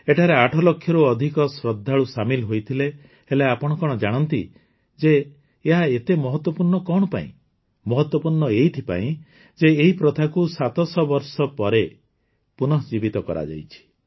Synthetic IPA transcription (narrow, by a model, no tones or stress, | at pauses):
eʈʰaɾeaʈʰɔlɔkʰːjɔɾuɔd̪ʱikɔsɾɔd̪ʱːaɭusamilɦojt̪ʰile | heleapɔɽ̃ɔkɔɽ̃ɔd͡ʒaɽ̃ɔnt̪i | d͡ʒeː | ɦaet̪emɔɦɔt̪wɔpuɾɳɔkɔɽ̃ɔpa̰ḭ̃ | mɔɦɔt̪wɔpuɾɳɔejt̪ʰipa̰ĩ | d͡ʒeːɦipɾɔt̪ʰakusat̪ɔsɔbɔɾsɔpɔɾe | punɔɦd͡ʒibit̪ɔkɔ̰ɾʔa̰d͡ʒa̰jt͡ʃʰi̥